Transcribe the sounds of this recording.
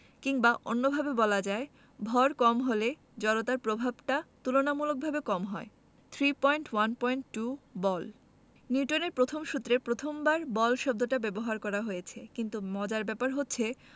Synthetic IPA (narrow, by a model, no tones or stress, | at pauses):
kiŋbaʔonːobʱabebɔlad͡ʑae | bʱɔɾkɔmɦole | d͡ʑɔɾot̪aɾpɾobʱabʈat̪ulonamulok̚bʱabekɔmɦɔe | t̪ʰɾipɔjɳʈwanpɔjɳʈʈubɔl | niʈoneɾpɾot̪ʰomʃut̪ːɾepɾot̪ʰombaɾbɔlʃɔb̚d̪oʈabɛboɦaɾkɔɾaɦojet͡ɕʰekint̪umɔd͡ʑaɾbɛpaɾɦotːɕʰe